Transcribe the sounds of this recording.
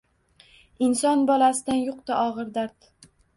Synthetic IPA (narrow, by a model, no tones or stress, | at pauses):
ɪnsɒnbɒlasɪd̪anjoq̚t̪aʔɒʁɨɾd̪aɾt̪